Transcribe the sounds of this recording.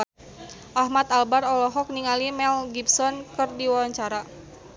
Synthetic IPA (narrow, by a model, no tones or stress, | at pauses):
ʔahmat̪albarɔlɔɦɔk̚niŋalimɛlɡipsɔnkɨrdiwawaɲt͡ʃaɾa